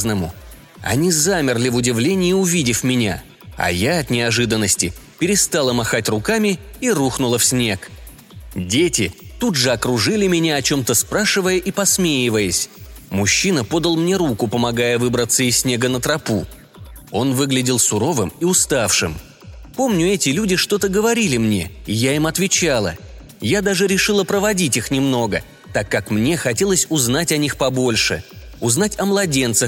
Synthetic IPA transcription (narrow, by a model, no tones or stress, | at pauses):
znəmʊ̰ | ɐ̰nʲizamʲɪrlʲɪvʊdʲɪvlʲenʲɪjɪʊvʲidʲɪfmʲɪnʲa̰ | ɐ̰jaɐt̪nʲɪɐʐɨd̪ənːəsʲtʲɪpʲɪɾʲɪst̪alˠəmɐxatʲrʊkamʲɪiruxnʊlˠəfsʲnʲe̞k | dʲetʲɪt̪udʐɨɐkɾʊʐɨlʲɪmʲɪnʲaɐt͡ɕo̞mt̪əspɾaʂɨvəjəʔipɐsmʲejɪvəjəsʲmʊɕːinəpo̞d̪əlˠmnʲe̞ɾukʊpəmɐɡajəvɨbɾət̪sːəɪsʲnʲe̞ɡənət̪ɾɐpu | o̞nvɨɡlʲɪdʲɪlˠsʊɾo̞vɨmiʊst̪afʂɨm | po̞mnʲʊɛtʲɪlʲudʲɪʂt̪o̞t̪əɡəvɐɾʲilʲɪmnʲe̞̰ɪjaimɐt̪vʲɪt͡ɕalˠə̰ | jad̪aʐɨɾʲɪʂɨlˠəpɾəvɐdʲitʲixnʲɪmno̞ɡə | t̪akːakmnʲe̞xɐtʲe̞lˠəsʲʊzn̪atʲɐnʲixpɐbo̞lʲʂɨ̰ʊznatʲɐmlˠɐdʲe̞nt̪səx